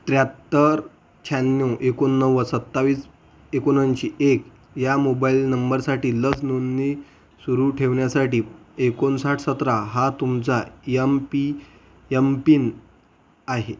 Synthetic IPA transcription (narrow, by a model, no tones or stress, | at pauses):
t̪ɾjat̪ːəɾ | t͡ɕʰanːuʔekonːəʋːəsət̪ːaʋiːs | ekonanɕiːʔek | jamobailnəmbəɾsaʈiːləsnonːi | suɾuʈʰeʋɳjasaʈiːekonsaʈʰsət̪ɾaɦat̪umt͡sajempi | jempiːn | aɦe